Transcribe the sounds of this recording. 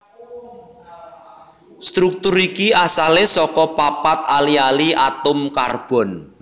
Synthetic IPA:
st̪ɾuk̚t̪uɾikiasalesɔkɔpapat̪̚alialiʔat̪ʊmkarb̥ɔ̤n

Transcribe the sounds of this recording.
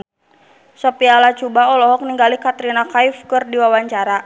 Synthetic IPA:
sɔpialat͡ʃubaɔlɔɦɔk̚niŋɡalikat̪ɾinakajfkɨrdiwawaɲt͡ʃaɾa

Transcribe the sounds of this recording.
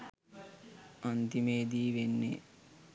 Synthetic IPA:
ɐnt̪imeːd̪iːʋenːḛ

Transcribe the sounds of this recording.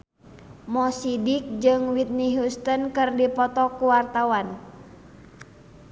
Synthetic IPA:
mɔsidik̚d͡ʒɨŋwit̪̚niɦust̪ənkɨrdipɔt̪ɔkuwart̪awan

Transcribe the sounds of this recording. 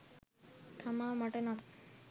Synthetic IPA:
t̪ʰamamaʈena

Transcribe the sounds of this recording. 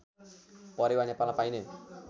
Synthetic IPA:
pɔɾewanapalãpaĩne

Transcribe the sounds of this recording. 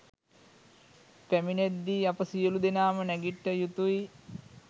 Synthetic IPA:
pæmined̪ːiːapəsijəlud̪enaːmənɛɡiʈːəjut̪uj

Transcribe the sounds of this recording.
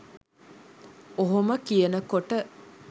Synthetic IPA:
oɦoməkijənəkoʈə

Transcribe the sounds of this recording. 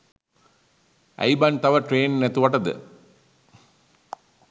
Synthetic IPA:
ɐ̰jbɐnt̪ɐʋɐʈɾeːnnet̪uʋɐʈɐd̪ɨ̰

